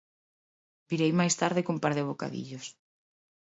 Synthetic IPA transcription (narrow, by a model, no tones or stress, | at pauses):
biɾejmajst̪aɾðɪkumpaɾðɪβ̞oka̰ðḭʎos